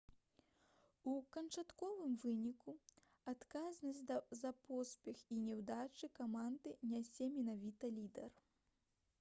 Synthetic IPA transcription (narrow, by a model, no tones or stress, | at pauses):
ukɐnt͡ʂat̪kɔvɨmvɨnʲiku | at̪kaznɐsʲd̪ɐzɐpɔspʲɛxinʲɛwd̪at͡ʂɨkamand̪ɨnʲasʲɛmʲɛnavʲit̪ɐlʲid̪ɛr